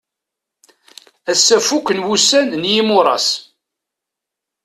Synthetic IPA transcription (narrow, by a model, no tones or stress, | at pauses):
æsːæfukʷːənwusænnjimʊɾˤɑ̰s